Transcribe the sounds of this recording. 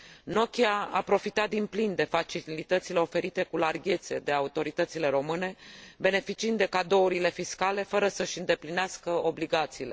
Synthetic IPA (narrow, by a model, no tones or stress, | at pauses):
no̞kʲiaa̰pɾo̞fit̪at̪̚d̪implind̪e̞fat͡ʃilit̪ət̪sile̞o̞fe̞ɾit̪e̞kularɡʲe̞t̪se̞d̪e̞aut̪o̞ɾit̪ət̪sile̞ɾo̞mɨne̞be̞ne̞fit͡ʃiɨnd̪d̪e̞kad̪o̞uɾile̞fiskale̞fəɾəsəʃʲɨnd̪e̞plineaskəo̞bliɡat̪siːle̞